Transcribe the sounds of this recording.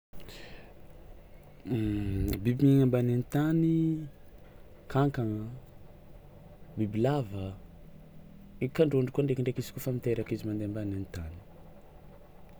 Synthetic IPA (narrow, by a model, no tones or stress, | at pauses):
bibiɲiŋambananit̪ani | kʰaŋkaŋ | bibilavə | ikaɳɖ͡ʐoɳɖ͡ʐikuoaɳɖ͡ʐekiɳɖ͡ʐekizi̥kofamit̪eɾakizimand̪eambananit̪ani̥